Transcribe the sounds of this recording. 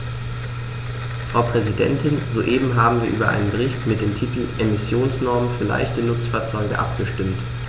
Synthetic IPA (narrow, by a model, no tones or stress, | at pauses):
faʊpʁ̥ɛzidɛ̰ntʰɪnzoːʔeːbm̩ɦaːbm̩viːɐʔyːbɐʔa̰ɪnənbəʁ̞ɪçtmɪt̚d̥eːmtʰiːtl̩ʔemɪsjoːnsnɔɐmənfyːɐla̰ɪçtənʊt͡sfaːɐt͡sɔʏɡə̰ʔa̰pɡ̥əʃtɪmt